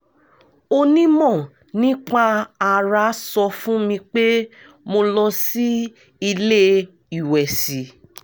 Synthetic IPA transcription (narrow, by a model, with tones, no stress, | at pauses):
o˧nĩ˦mɔ̃˦˨ | nĩ˦k͡pa˧a˧˨ɾa˨˦sɔ˧fũ˦mĩ˧k͡pe˦ | mo˧lɔ˧si˦ | i˧le˦ | i˨wɛ˨si˨˦